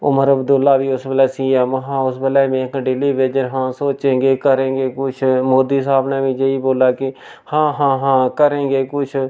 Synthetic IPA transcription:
ʊməɾəbd̪ʊlːaːʋiːʊsbəlɛːsiːaːmɦãːʊsbəlɛːmẽːkɖɪliːʋeːd͡ʒəɾɦãːsoːt͡ʃẽːɡeːkəɾẽːɡeːkʊt͡ʃʰmoːd̪iːsaːbnɛːʋiːd͡ʒeiːboːlaːkɪ | hãːɦãːɦãːkəɾẽːɡeːkʊt͡ʃʰ

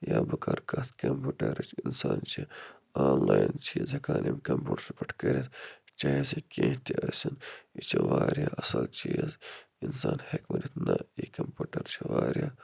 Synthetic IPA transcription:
jaːbɐkɐɾkɐt̪kɐmpuːʈɐɾit͡ʃʰinsaːnt͡ʃi | aːnlaːjint͡ʃiːzɐkaːnʔimkɐmpuːʈɐɾpɐʈʰkɐɾʲit̪t͡ʃaːesekẽːɦt̪iɐsinit͡ʃʰɐʋaːɾjaːʔɐsɐlt͡ʃiːz | insaːnhekmunit̪nɐikɐmpʲuːʈɐɾt͡ʃʰɐʋaːɾʲjaː

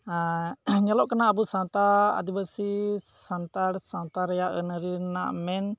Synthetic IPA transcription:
ɲalɔʔkanaʔːbusãnt̪aa̰d̪ibasisant̪aɽsãnt̪aɾɛjaʔənəɾina̰ʔmɛn

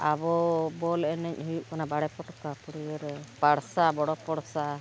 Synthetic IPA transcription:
abɔbɔlɛnɛɲɦujuʔkanabaɽɛpɔʈɔkapɔɽijɔɾɛpaɽsabɔɽɔpɔɽsa

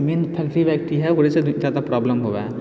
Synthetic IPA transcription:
mẽːnpʰɛːk̚ʈɾiʋɛːk̚ʈiɦɛʊɾesed͡ʒaːd̪apɾaːbləmɦoːʋaɛ

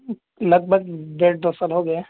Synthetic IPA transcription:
ləɡ̚bʱəɡ̚d̪eːʈ̚d̪oːsalɦoɡɐja

